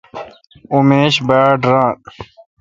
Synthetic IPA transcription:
umeːɕbaːɖɾãː

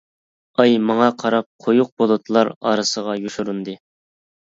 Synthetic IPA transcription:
ɑjmɑŋɑqʰɑɾɑp̚qʰojuq̚bolˠut̪ʰlˠɑɾɑ̰ɾɨsəʁɑjuʃuɾund̪ɨ

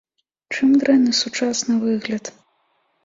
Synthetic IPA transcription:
t͡ʂɨmd̪ɾɛnɨsut͡ʂasnɨvɨɣlʲɐt̪

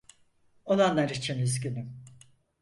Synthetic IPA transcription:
olˠanlˠaɾit͡ʃʰinyzɟynym

